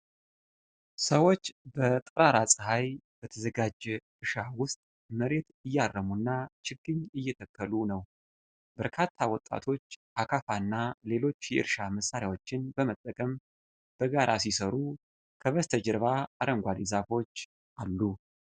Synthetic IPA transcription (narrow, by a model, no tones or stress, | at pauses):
səwo̞t͡ʃːbət̪ʼɨɾaɾasʼɨɦajb̥ət̪ʰəzəɡad͡ʒ | ɨʃawʊst̪ʼ | məɾe̞t̪ɨjːarːəmunːat͡ʃʰɪɡːɨɲɨjːɛt̪ʰəkʰːəlunəw | b̥əɾkʰat̪ʰːawɔt̪ʼːa̰t̪ʰo̞t͡ʃːʔakʰafanːale̞lo̞t͡ʃːjɛʔɨ̰ɾʃaməsːaɾjawo̞t͡ʃːɪnbəmət̪ʼːəkʼəm | b̥əɡaɾʔas̬isəɾu | kʰəβəst̪ʰəd͡ʒɨɾβaːɾəŋɡʷalizafo̞t͡ʃː | ʔalːu